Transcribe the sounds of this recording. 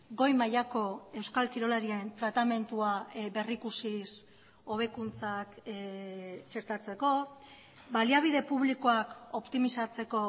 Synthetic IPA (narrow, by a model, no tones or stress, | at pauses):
ɡo̞jmajako̞e̞wskalkiɾo̞laɾient̪ɾat̪ame̞nt̪uabe̞rikusis | o̞βe̞kunt͡sak | t͡ʃe̞ɾt̪at͡se̞ko̞ | baliaβ̞iðe̞puβlikoako̞pt̪imisat͡se̞ko̞